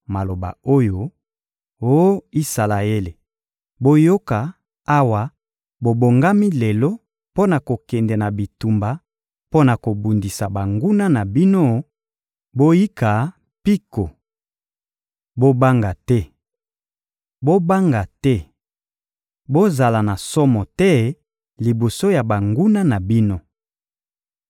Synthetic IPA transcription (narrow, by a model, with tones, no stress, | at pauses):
ma˨lo˨ba̰˨o˦jo˨ | o˦i˦sa˨la˨e˦le˨ | bo˦jo˦ka˨ | a˦wa˨ | bo˨bo˨ŋɡa˦mi˦lɛ˨lo˦ | po˦na˨ko˨kɛ˨ndɛ˨na˨bi˨tu˨mba˨ | po˦na˨ko˨bu˨ndi˨sa˨ba˨ŋɡu˦na˦na˨bi˦no˦ | bo˦ji˦ka˨ | pi˦ko˨ | bo˦ba˦ŋɡa˨tɛ˦ | bo˦ba˦ŋɡa˨tɛ˦ | bo˦za˨la˨na˨sɔ˦mɔ˨tɛ˦ | li˨bo˨so˦ja˨ba˨ŋɡu˦na˦na˨bi˦no˦